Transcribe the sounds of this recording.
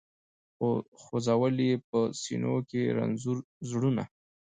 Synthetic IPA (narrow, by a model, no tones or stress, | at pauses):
xoxozawəliep̚əsḭno̰keɾa̰nzuɾ | zɽuna̰